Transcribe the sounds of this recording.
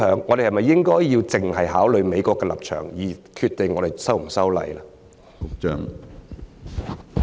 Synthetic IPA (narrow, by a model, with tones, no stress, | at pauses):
œː˨˥ŋːɔː˨˧d̪e˨˩hɐ˨jmɐ˨˩jːɪ˥ŋkɔː˥jjiː˧wt͡sɪ˨˩ŋɦɐ˨jɦaː˨˥wlɵ˨ɥme˨˧jkʷɔː˧kːɛː˧lɐ̰˨p̚t͡ʃʰœ̰ː˨˩ŋjiː˨˩kʰyː˧t̪e˨˩ŋːɔː˨˧ɾe˨jsɐ˥wm̩˨˩sɐ˥wlɐ̰˨jla˥ | ʊ˥kt͡ʃœː˥ŋ